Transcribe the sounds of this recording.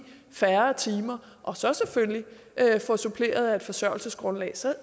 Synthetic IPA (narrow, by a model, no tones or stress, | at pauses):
fæɐt͡sʰiːmɐ | ʔɒ̽sɒ̽sefølli | ʔøfɒ̽supʰle̝̰ːɐð̞̩ˠæe̝d̥fɒ̽sɶɐ̰lsəsɡ̥ʁɔ̽nlɛ̰ːsɒ̽